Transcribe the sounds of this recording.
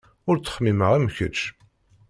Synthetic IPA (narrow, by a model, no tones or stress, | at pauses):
ʊɾt͡sːə̥χmiməʁæmçə̰ʃ